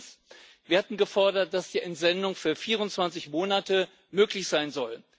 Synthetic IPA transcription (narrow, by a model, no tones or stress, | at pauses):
s | viːɐhatn̩ɡəfɔɐdɐt̚d̥asd̥iːʔɛntz̥ɛndʊŋfyːɐfiːʁ̞ʊntt͡sv̥ant͡sɪçmoːnatə | møːklɪçz̥aɪnzɔl